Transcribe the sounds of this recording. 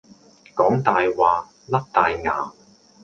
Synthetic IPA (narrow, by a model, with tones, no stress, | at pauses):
kɔː˨˥ŋt̪aː˨jwaː˨˧ | lɐ˥k̚t̪aː˨jŋa̰ː˨˧